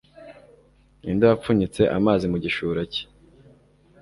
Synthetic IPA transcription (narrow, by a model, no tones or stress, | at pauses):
indojap͡fuɲit͡se̞ʔamaːzimuɟiʃuːɾace̥